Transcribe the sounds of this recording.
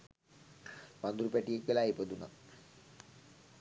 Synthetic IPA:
pand̪uɾupæʈiekʋelaːipəd̪una̰

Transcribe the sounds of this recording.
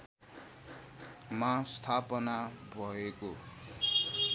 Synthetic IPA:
mast̪ʰapʌnabʱʌeko

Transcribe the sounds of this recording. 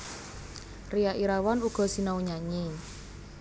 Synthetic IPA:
rijaʔiɾawanuɡ̥ɔ̤sinauɲaɲi

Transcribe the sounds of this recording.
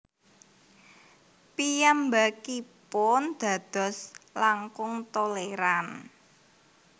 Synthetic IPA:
pijambakipʊnd̪̥a̤d̪̥ɔ̤slaŋkʊŋt̪oleɾan

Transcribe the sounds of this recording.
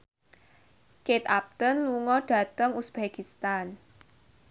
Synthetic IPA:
ket̪ap̚t̪ənluŋɔɖ̥a̤t̪əŋusb̥ekist̪an

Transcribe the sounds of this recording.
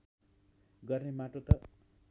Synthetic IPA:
ɡʌrnemaʈot̪ʌ

